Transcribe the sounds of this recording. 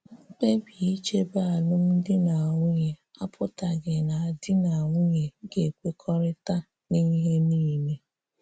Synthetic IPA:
k͡pe˦bi˨i˦t͡ʃe˦ba˦a˨lʊ˦m̩˦dɪ˦na˨a˨ŋʷʊ˦ɲe˨a˦pʰʊ˦ta˨ɡɪ˨na˨a˨dɪ˦na˨ŋʷʊ˦ɲe˨ɡe˨kʷe˦kʰɔ˦ɾɪ˦ta˦ | ni˦ɦe˦niː˦˨me˦

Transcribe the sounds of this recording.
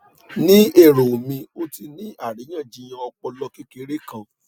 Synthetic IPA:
nĩ˦e˦˨ɾo˨mĩ˧o˦ti˧nĩ˦a˦˨ɾi˨˦j̃ã˦˨d͡ʒĩ˨˧˦j̃ã˧ɔ˧k͡pɔ˧lɔ˧ki˦ke˨˧˦ɾe˦kã˦˨

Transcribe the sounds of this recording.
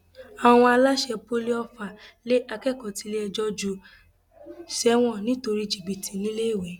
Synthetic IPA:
a˨w̃ɔ̃˧a˧la˦ʃɛ˧bo˦le˦ɔ˧fa˨le˦ʔa˧kɛ˦˨kɔ˨ti˨˧˦le˦ɛ˧d͡ʒɔ˦d͡ʒu˧˦ | ʃɛ˦w̃ɔ̃˦˨nĩ˦to˧ɾi˦d͡ʒi˨ɡ͡bi˨tĩ˨nĩ˨˦le˦i˦˨wɛ˨˦

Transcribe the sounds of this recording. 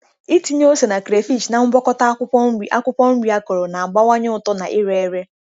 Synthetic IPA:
i˦ti˦ɲ˦o˦se˨na˨kɾe˨fi˦˨t͡ʃna˨ŋ͡m̩˦bɔ˦kɔ˦ta˦kʷʊ˦ɔ˦m̩˦i˦a̰˦kʷʊ˦pɔ˦m̩˦ɾi˨˦a˦ko˨ɾo˨na˨a˨ɡ͡ba˦wa˦ɲɪ˦ʊ˦˨tɔ˦na̰˨ʔi˦ɾe˦e˦ɾe˦

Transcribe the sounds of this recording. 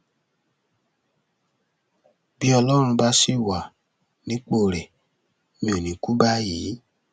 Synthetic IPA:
bi˦ɔ˧lɔ˦ɾ̃ũ˧ba˧˦si˦˨wa˨ | nĩ˨˦k͡po˦˨ɾɛ˨ | mĩ˧˦o˨nĩ˨ku˦ba˦jiː˨˦

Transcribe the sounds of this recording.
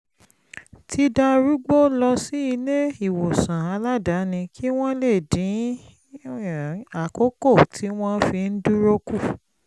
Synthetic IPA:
tʰi˧da˧ɾu˦ɡ͡bo˦lɔ˧si˦i˧le˦i˦˨wo˨sã˨a˧˦la˦da˨˦nĩ˧kʰi˦w̃ɔ̃˦le˦˨dĩ˨˦ | a˦˨ko˦ko˦˨tʰi˨˦w̃ɔ̃˦fi˧n̩˦du˦ɾo˧ku˦˨

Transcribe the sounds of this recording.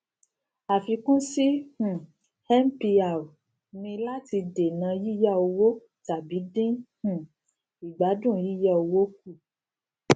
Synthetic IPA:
a˨fĩ˧˦kũ˦si˦h̩˨ | hɛ˦m˦pi˧a˨ | mĩ˧la˦ti˧de˨nã˧ji˦jɛ˦˨o˧wo˦ | ta˨bi˨˦dĩ˦h̩˨ | i˨ɡ͡ba˨˦dũ˦˨ji˦jɛ˦˨o˧wo˦k̚u˦˨

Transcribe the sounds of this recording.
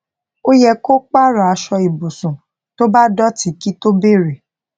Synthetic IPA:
o˦jɛ˧ko˦k͡pa˦˨ɾa˨a˧ʃɔ˧i˨bo˨sũ˨ | to˦ba˦dɔ˦ti˨˦ki˦to˦be˦˨ɾe˨

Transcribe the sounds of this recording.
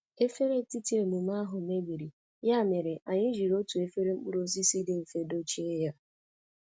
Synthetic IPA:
e˦fe˦ɾe˦ti˦ti˦e˨nu˨m˦a˦ɦʊ˨me˦ɡ͡bi˨ɾi˨ | ja˦˨me˨ɾe˨ʔa˨ɲɪ˦ʒi˨ɾo˦tu˨e˦fe˦ɾe˦ŋ͡m̩˦k͡pu˦ɾo˦si˦si˦de˦˨m̩˨fe˦do˦t͡ʃi˦e˦ja˦

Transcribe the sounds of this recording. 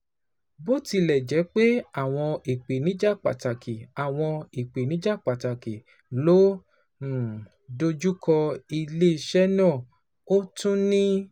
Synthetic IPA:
bo˦ti˧lɛ˨d͡ʒɛ˨˦k͡pe˦a˦˨w̃ɔ̃˧i˨k͡pe˨nĩ˨˦d͡ʒa˦˨k͡pa̰˨ta˨kʰi˨a˨w̃ɔ̃˧i˨k͡pe˨nĩ˨˦d͡ʒa˦˨k͡pa˨ta˨ke˨ | lo˦˨ | do˧d͡ʒu˦kʰɔ˧i˧le˦i˧˨ʃɛ˦nã˦˨ | o˦tũ˦nĩ˦

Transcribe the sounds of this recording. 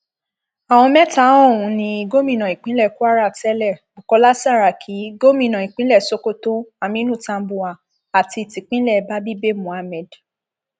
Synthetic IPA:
a˨w̃ɔ̃˧mɛ̃˦ta˦ɔ̃˦˨ũ˨˧˦nĩ˧i˧ɡo˦mĩ˧˨nã˨i˨k͡pĩ˦lɛ˦˨ku˦a˦ɾa˦˨ksɛ˦lɛ˦˨bu˨kɔ˧la˦sa˦˨ɾa˨kʰi˨˦ɡo˦mĩ˦˨nã˨i˨k͡pĩ˦lɛ˦˨so˦ko˦to˦a˧mĩ˦nũ˦˨tã˧m˦bu˨a˨ | a˨ti˧˨ti˨k͡pĩ˦lɛ˦˨˦ba˦bi˦be˦mũ˨a˧mɛ̃˨d

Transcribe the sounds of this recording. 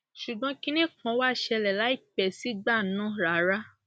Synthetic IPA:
ʃu˨ɡ͡bɔ̃˨˧kĩ˧nĩ˦kɔ̃˨˦wa˦˨ʃɛ˧lɛ˨la˨˦i˦˨pɛ˨si˨˦ɡ͡ba˦˨nã˦ɾa˨˦ɾa˦

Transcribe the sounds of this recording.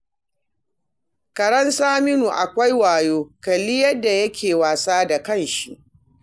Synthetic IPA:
kɐ˨ɾɐ˦nsaː˦mɪ˦nuː˨ʔa˨kʷa˦jwaː˨joː˦kɐ˨liː˦jɐ˦dːa˨jɐ˦kʲʰeː˨waː˨saː˦da˨kɐ˦˨nʃi˨ʔ

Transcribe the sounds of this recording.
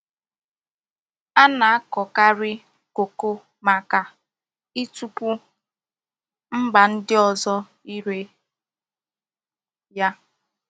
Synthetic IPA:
a˦na˨a˦kɔ˨ka˦ɾɪ˦ | ko˨ko˦ | ma˨ka˨ | i˦tu˦pu˦ | m̩˦ɡ͡ba˨n̩˦dɪ˦ɔ˨zɔ˦ | i˦ɾe˨ | ja˦

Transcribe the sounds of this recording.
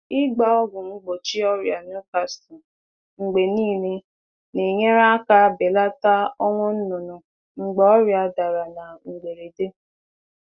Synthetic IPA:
i˦ɡ͡ba˦ɔ˦ɡʊ˨ŋ͡m̩˦ɡ͡bo˨t͡ʃi˦ɔ˦ɾja˨n˦u˦ka˦sti˨ | ŋ͡m̩˨ɡ͡be˨niː˦ne˦ | ni˨ɲe˦ɾa˦ka˦be˨la˦ta˦ɔ˦ŋʷɔ˦n̩˦nʊ˨nʊ˨ | ŋ͡m̩˨ɡ͡bɔ˨ɔ˦ɾja˨da˨ɾa˨na˨ŋ͡m̩˨ɡ͡be˨ɾe˨de˦

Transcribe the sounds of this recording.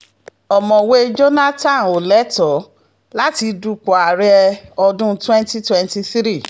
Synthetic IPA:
ɔ˨mɔ̃˨we˦d͡ʒo˦na˦tã˦˨n˨o˨lɛ˦tɔ˨˦ | la˦ti˧du˧k͡pɔ˨a˨ɾɛ˧ɔ˧dũ˦twɛ̃˦nti˦twɛ̃˧nti˧θɾi˦˨

